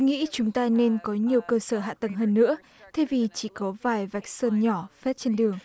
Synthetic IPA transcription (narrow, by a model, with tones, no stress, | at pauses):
ŋḭ˧˥t͡ɕʊ˨˦ŋ͡mt̪aː˧ne˧nkɔ˨˦ɲi˨˩əwkəː˧səː˧˩ɦa̰ː˧˨t̪ə˨˩ŋɦəː˧nːɨ̰˧˥ə | t̪ʰe˧vi˨˩t͡ɕi˧˩kɔ˨˦vaː˨˩jva˨˩jk̚səː˧nɲɔ˧˩fɛ˦˥t̚t͡ɕe˧nɗɨ˨˩əŋ